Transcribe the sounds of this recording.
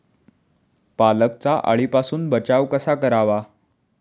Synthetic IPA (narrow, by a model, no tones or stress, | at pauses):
palək̚t͡saʔa̰ɭipasuːnbət͡ɕaʋkəsakəɾaʋa